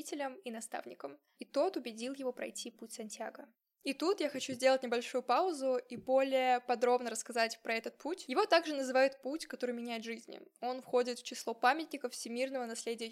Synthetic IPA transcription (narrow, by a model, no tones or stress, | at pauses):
itʲɪlʲəminɐst̪a̰vnʲɪkəm | it̪o̞t̪ʊbʲɪdʲilˠjɪvo̞pɾɐ̰jtʲʰiputʲsɐnʲtʲaɡə | it̪ut̪jaxɐt͡ɕuzʲdʲe̞lˠətʲnʲɪbɐlʲʂujʊpaʊzʊibo̞lʲɪjəpɐd̪ɾo̞bnəɾəskɐzatʲpɾɐɛt̪ət̪̚pʰutʲjɪvo̞t̪aɡʐɨnəzɨvajʊt̪̚putʲkɐt̪o̞ɾɨjmʲɪnʲæjɪt̪ʐɨzʲnʲɪ̰o̞nfxo̞dʲɪt̪ft͡ɕɪslˠo̞pamʲɪtʲnʲɪkəffsʲɪmʲirnəvənɐsʲlʲedʲɪjə